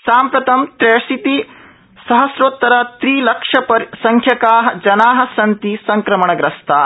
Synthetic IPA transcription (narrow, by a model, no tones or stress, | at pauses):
saːmpɾɐt̪ɐmt̪ɾesit̪i | sɐɦɐsɾot̪ːɐɾɐt̪ɾiːlɐkʂɐpɐɾsɐŋkʰjɐkaːɦɐ̆d͡ʒɐnaːɦɐ̆sɐnt̪isɐŋkɾɐmɐɳɐɡɾɐst̪ʰaː